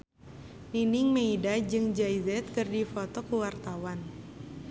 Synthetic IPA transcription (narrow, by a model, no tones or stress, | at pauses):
ninɪŋmeidad͡ʒɨŋd͡ʒajzɛt̪̚kɨrdifot̪ɔkuwart̪awan